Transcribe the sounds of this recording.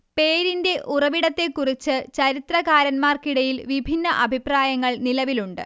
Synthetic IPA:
pe̞ːɾinde̞ʔurɐʋiɽɐt̪ːe̞kːurit͡ɕːɨt͡ɕɐɾit̪rɐɣaːɾɐnmaːrkiɽɐjilʋibʱinːɐʔɐbʱipraːjɐŋːɐɭnilɐʋiluɳɖɨ̰

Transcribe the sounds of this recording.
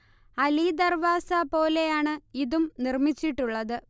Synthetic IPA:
ɐlid̪ɐrʋaːsɐpo̞ːle̞jaːɳɨiðumnirmit͡ɕːiʈːuɭːɐðɨ

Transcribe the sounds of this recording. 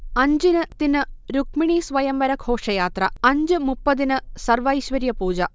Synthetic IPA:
ɐɲd͡ʑinɨt̪inːɨɾukmiɳiːsʋɐjɐmʋɐɾɐkʰoːʂɐjaːt̪ɾɐɐɲd͡ʑɨmupːɐd̪inɨsɐrʋɐiɕʋɐɾjɐpuːd͡ʑɐ

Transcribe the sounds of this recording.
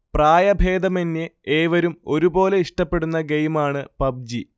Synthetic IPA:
praːjɐbʱeːd̪ɐmenːeeːʋɐɾumo̞ɾubo̞ːle̞iʂʈɐpːe̞ɽunːɐɡejmaːɳɨpɐb̚d͡ʑi

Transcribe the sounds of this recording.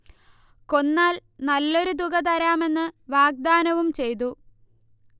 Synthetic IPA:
ko̞nːaːlnɐlːo̞ɾud̪uɣɐt̪ɐɾaːme̞nːɨʋaːɡ̚d̪aːnɐʋumt͡ɕe̞jt̪̬u

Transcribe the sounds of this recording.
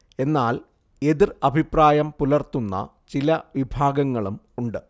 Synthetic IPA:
e̞nːaːl | e̞ðirɐbʱipraːjɐmpulɐrt̪unːɐ̰ | t͡ɕilɐʋibʱaːɡɐŋːɐɭum | uɳɖɨ

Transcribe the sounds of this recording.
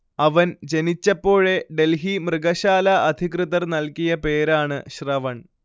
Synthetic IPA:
ɐʋɐnd͡ʑe̞nit͡ɕːɐpːo̞ːɻe̞ɖe̞lɦimrɨɡɐɕaːlɐʔɐd̪ʱikrɨðɐrnɐlkijɐpe̞ːɾaːɳɨɕrɐʋɐɳ

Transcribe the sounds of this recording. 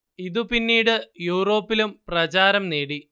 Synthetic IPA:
iðupinːiːɽɨjuːro̞ːpːilumprɐt͡ɕaːɾɐmne̞ːɽi

